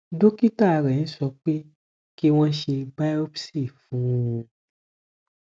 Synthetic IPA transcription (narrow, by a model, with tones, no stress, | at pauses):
do˦ki˦ta˦˨ɾɛ˨ñ̩˦sɔ˧k͡pe˦ | ki˦w̃ɔ̃˦ʃe˧ɡ͡ba˦o˦bsi˦˨fũ˨˦˧